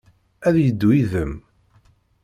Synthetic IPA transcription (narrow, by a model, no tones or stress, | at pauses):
æðjəd̪ːwiðəm